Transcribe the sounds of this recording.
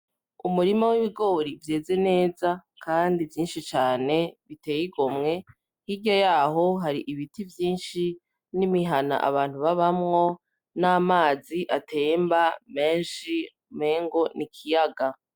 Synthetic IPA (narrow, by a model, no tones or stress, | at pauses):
umuɾimowiβiɡo̞ːɾivje̞ːze̞ne̞ːzakaːndivjiːnʃit͡ʃaːne̞βite̞ːjiɡo̞mŋe̞ | hiɾɟojaːɦo̞ɦaɾiʔiβitivjiːnʃi | nimiɦana̰ʔa̰βaːn̥huβaβamŋo̞ | naːmaːziʔatʰeːmbame̞ːnʃi | meːŋɡo̞nikʰijaɡa